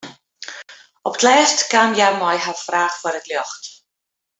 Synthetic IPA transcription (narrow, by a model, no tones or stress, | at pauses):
ɔbdlɛːrtʰɡ̥amjamɔjɦafraːχfwɛɾɛdljɔχt